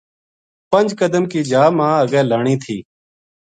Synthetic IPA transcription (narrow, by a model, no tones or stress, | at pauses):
pənd͡ʒkəd̪əmkiːd͡ʒaːmãːəɡɛ̃ːləːɳiːt̪ʰiː